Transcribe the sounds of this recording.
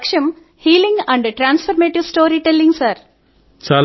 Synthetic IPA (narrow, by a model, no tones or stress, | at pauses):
kʂɐm | hiːlĩŋɡɐ̃ɳɖʈɾãːnsfɐɾmeːʈiʋsʈoːɾiʈelːĩŋsaːɾ | t͡ʃaːl